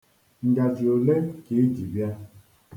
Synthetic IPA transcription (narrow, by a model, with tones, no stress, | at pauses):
ŋ̩˨ɡa˨d͡ʒi˨o˨le˦ke˨i˦d͡ʒi˨bja˦